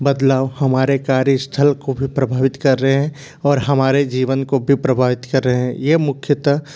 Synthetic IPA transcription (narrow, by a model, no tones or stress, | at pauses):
bəd̪laːʋhɐmaːɾekaːɾist̪ʰəlkobʱipɾɐbʱaːʋɪt̪kɐɾːəɦeɦɛ̃ | ɔːɾɦɐmaːɾed͡ʒiːʋənkobʱipɾəbʱaːʋɪt̪kɐɾːəɦeɦɛ̃jemʊkʰjət̪